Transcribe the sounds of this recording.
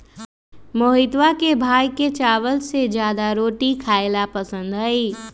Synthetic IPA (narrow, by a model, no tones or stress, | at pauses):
moːɦɪt̪ʋakebʱaːjket͡ʃaːʋəlsed͡ʒjaːd̪aɾoːʈikʰaːelapɐsə̃nd̪ɦɐiː